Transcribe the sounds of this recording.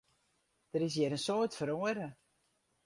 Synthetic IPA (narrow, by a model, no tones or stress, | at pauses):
d̥əɾɪs̬jɛɾənsoətfəɾoəɾə